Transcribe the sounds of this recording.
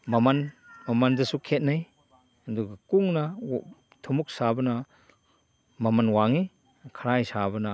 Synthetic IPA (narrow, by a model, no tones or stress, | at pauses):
mamanmamand͡ʒɐsukʰet̚naj | duɡkuŋna | tʰumuk̚sabɐna | mamanwaŋi | kʰaɾajsabɐna